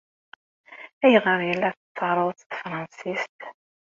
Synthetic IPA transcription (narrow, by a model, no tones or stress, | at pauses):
æjʁəɾˤjəlːæθət͡sːɑʕɾˤəðˤt͡st̪fɾˤɑnsist̪